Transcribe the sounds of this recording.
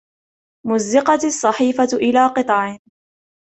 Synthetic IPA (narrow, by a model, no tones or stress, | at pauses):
mʊzːɪqɑsˤːɑħiːfaʔɪlaːqɨt̪ˤɑʕɪ